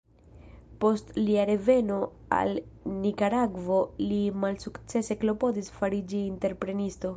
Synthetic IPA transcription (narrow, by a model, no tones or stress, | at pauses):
po̞stliaɾe̞ve̞no̞ | a̰lnikaɾaɡvo̞limalsukt͡se̞se̞klo̞po̞disfaɾid͡ʒiːnte̞ɾpɾe̞nisto̞